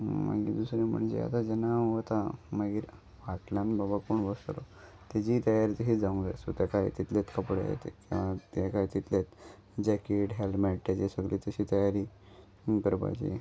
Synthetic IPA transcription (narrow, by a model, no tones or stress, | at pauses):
ma̰ɡḭd̪usɾẽm̤ə̰ɳd͡ʑḛa̰t̪ad͡ʑɛnaʋət̪amaɡiːɾ | ʋaʈljãnbabakoːɳʋəst̪lo̰ | t̪ad͡ʑiːt̪əjaɾiːt̪əɦid͡zaʋuŋɡd͡zasut̪jakaḭt̪it̪let̪kəpɽḛjḛt̪ekĩʋãt̪jakajt̪it̪let̪ | d͡ʑɛkeʈɦelmeʈ̚t̪at͡ɕesəɡlit̪əɕiːt̪əjaɾiː | kəɾba̰jt͡ɕḭ